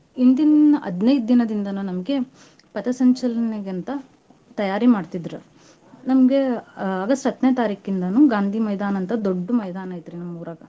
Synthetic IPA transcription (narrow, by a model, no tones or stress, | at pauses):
ind̪inɐʔɐd̪nɐjd̪̚d̪inɐd̪ind̪ɐnuːnɐmɡe̞ | pɐt̪ɐsɐɲt͡ʃɐlɐnɐɡent̪ɐ | t̪ɐjaːɾimaːɖt̪id̪ɾu | nɐmɡe̞ɐɡɐsʈɦɐd̪nejɐt̪aːɾiːkind̪ɐnuːɡaːnd̪ʱiːmɐjd̪aːnɐnt̪ɐd̪oɖːumɐjd̪aːnɐjt̪ɾinɐmːmːɐːɾɐɡɐ